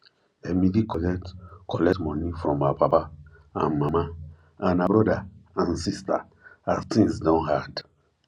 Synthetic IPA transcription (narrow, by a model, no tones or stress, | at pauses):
emidikʰɔlɛtkʰɔlɛtmɔ̃nifɹɔ̃mːabapa | ã̰nmãmã | ãnabɾɔdaãnsista | aztʰĩŋsdãnhad